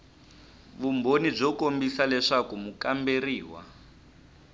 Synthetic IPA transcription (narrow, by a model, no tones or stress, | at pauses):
βumbonib͡ʐɔkombisalɛʂakumukamberiːwa̰